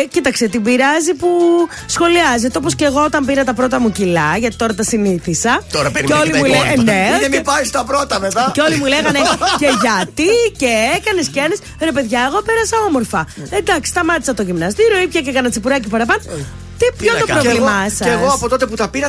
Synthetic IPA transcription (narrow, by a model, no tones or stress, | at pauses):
cit̪ɐkset̪ibiɾɐzipu | sxo̞liɐzet̪eoposceɣo̞ot̪ɐmbiɾɐt̪ɐpɾo̞t̪ɐmucilɐʝɐt̪i̥t̪o̞ɾɐt̪ɐsiniθisɐoɾɐceolimulenemipɐjst̪ɐpɾot̪ɐmet̪ɐceo̞limuleɣɐneceʝɐt̪iceekɐne̞sceenes | ɾe̞pe̞ðʝɐe̞ɣo̞pe̞ɾɐsɐo̞mo̞ɾfɐed̪ɐksi̥st̪ɐmɐt̪i̥sɐt̪o̞ʝimnɐst̪iɾo̞ipçɐcekɐnɐt͡sipuɾɐcipɐɾɐpɐno | t̪ipçot̪opɾovlimɐsɐeɣoɐpot̪o̞t̪e̞put̪ɐpiɾɐ